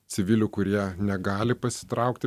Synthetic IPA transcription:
sʲɪʋʲɪlʲʊkʊɾʲiɛnʲɛɡɑːlʲɪpɐsʲɪ̥t̪ɾɑˑʊkt̪ʲɪ

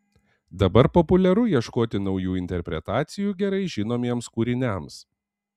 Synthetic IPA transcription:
d̪ɐbɐɾpɔpʊlʲɛɾʊiɛʃkoːt̪ʲɪnɒʊjuːɪnʲt̪ʲɛɾʲpʲɾʲɛt̪ɑːt̪sʲɪjuːɡʲɛɾɐɪʒʲɪnoːmʲiɛmskuːɾʲɪnʲæms

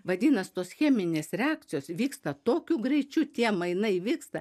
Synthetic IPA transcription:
ʋɐd̪ʲiːnɐst̪oːsxʲɛːmʲɪnʲeːsɾʲɛɑːk̚t̪sʲɪjoːsʋʲiːkst̪ɐt̪oːkʲuːɡɾʲɛɪt͡ʃʲut̪ʲiɛmɐɪnɐɪʋʲiːkst̪ɐ

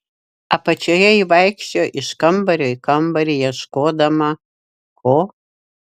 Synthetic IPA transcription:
apɐt͡ʃʰɐjɐiʋɑjkʃoʔiʃkɐmbɐɾʲoikʰɐmbɐɾʲijɛʃkoːd̪ɐmɐ | kʰo

